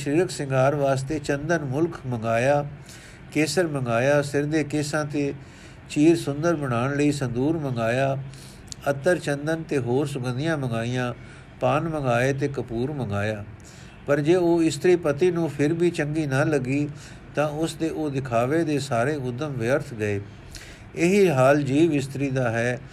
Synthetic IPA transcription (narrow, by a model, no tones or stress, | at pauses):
ʃɾiːɾəksɪ̃ŋɡaːɾʋaːst̪eːt͡ʃənd̪ənmʊlkʰməŋɡaːjaː | keːsəɾməŋɡaːjaːsɪɾd̪eːkɪsãːt̪eː | t͡ʃiːɾsʊnd̪əɾbəɽ̃aːɳləiːsənd̪uːɾməŋɡaːjaː | ət̪ːəɾt͡ʃənd̪ənt̪eːɦoːɾsʊɡə̃nd̪ɪjãːməŋɡaːiːãː | paːnməŋɡaːeːt̪eːkəpuːɾməŋɡaːjaː | pəɾd͡ʒeːoːɪst̪ɾiːpət̪iːnũːpʰɪɾbiːt͡ʃəŋɡiːnaːləɡiː | t̪ãːʊsd̪eːʔoːd̪ɪkʰaːʋeːd̪eːsaːɾeːʊd̪ːəmʋɪəɾt̪ʰɡəeː | ɪɦiːɦaːld͡ʒiːʋɪst̪ɾiːd̪aːɦɛː